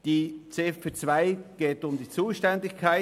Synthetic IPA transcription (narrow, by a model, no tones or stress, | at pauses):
d̥iːt͡seːfpet͡sv̥aɪɡ̥eːtʊmdiːt͡suːʃtɛndɪçkʰaɪ